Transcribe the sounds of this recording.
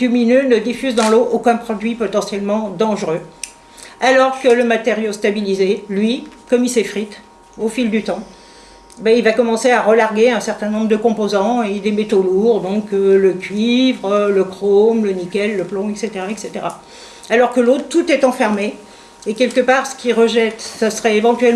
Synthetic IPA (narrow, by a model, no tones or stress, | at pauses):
d̪yminønəd̪ifyzd̪ɑ̃loʔokʲɛ̃pχɔd̪ɥipɔt̪ɑ̃sjɛlmɑ̃d̪ɑ̃ʒʁø | alɔʁkələmat̪eʁjost̪abilizelɥikɔmisefχit̪ | ofild̪yt̪ɑ̃ | bɛilvakɔmɑ̃seaʁəlaʁɡʲeɛ̃sɛʁt̪ɛ̃nɔ̃bʁəd̪əkɔ̃pozɑ̃ed̪emɛt̪oluʁd̪ɔ̃kələkʲɥivʁələkχomlənikʲɛlːəplɔ̃ɛkset̪eʁaɛkset̪eʁa | alɔʁkəlot̪t̪ːut̪ɛt̪ɑ̃fɛʁme | ekʲɛlkəpaʁsə̥kʲiʁəʒɛt̪sasəʁɛevɑ̃t̪ɥɛl